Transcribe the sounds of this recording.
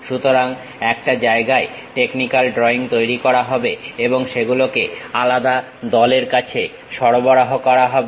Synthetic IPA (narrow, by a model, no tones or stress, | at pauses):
ʃut̪oɾaŋ | ɛk̚ʈad͡ʑaeɡae | ʈeknikalɖɾɔiŋt̪ojɾikɔɾaɦɔbeeboŋʃeɡulokealad̪a | d̪ɔleɾkat͡ɕʰe | ʃɔɾobɔɾaɦokɔɾaɦɔbe